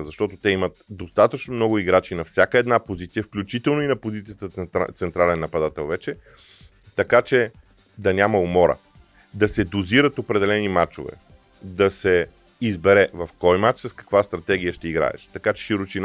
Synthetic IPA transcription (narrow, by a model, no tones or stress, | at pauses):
zɐʃt̪ɔt̪ot̪ɛimət̪̚d̪ost̪at̪ət͡ʃnomnɔɡʊiɡɾat͡ʃinɐfsʲjakəɛd̪napozit̪sijəfklʲut͡ʃit̪ɛlˠnʊinɐpozit̪sijət̪ət̪sɛnt̪ɾalɛnːɐpɐd̪at̪ɛlˠvɛt͡ʃɛ | t̪ɐkat͡ʃɛ | d̪ɐnʲamɐomɔɾə̰ | d̪ɐsɛd̪oziɾət̪opɾɛd̪ɛlɛnimat͡ʃo̰vɛ̰ | d̪ɐsɛ | izbɛɾɛvɐfkɔjmat͡ʃsɐskɐ̥kvast̪ɾɐt̪ɛɡ̟ijəʃt̪ɛiɡɾa̰ɛ̰ʃt̪ɐkat͡ʃɛ̥ʃiɾot͡ʃin